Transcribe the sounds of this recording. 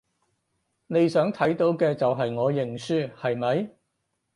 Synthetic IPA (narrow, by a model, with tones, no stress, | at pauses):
ne˨˧jsœː˨˥ŋt̪ʰɐ˨˥jt̪o˨˥wkɛː˧t͡sɐ˨wɦɐ˨jŋɔː˨˧jɪ˨˩ŋsyː˥hɐ˨jmɐ˨˧j